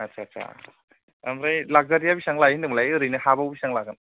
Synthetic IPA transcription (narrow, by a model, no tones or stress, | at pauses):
at͡ʃat͡ʃa̰ | amɾajlak̚zaɾijabisaŋlajinɯmlajɯɾɯjnɯhabawbisaŋlaɡɯn